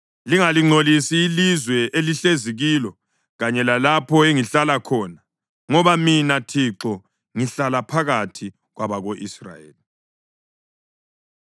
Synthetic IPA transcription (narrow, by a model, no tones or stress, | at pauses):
liŋaliŋ͡ǀʱolisiːlizwɛʔeliɬeziɣilɔ | ɣaɲɛlalapʰɔeŋiɬalakʰɔːna | ŋɔβaminatʰiǁɔ | ŋiɬalapʰaɣatʰi | ɣwaβaɣoʔisra̰jḛːli